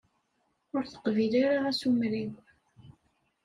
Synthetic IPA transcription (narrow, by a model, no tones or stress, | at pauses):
ʊɾθə̥qvilaɾaæsumɾiw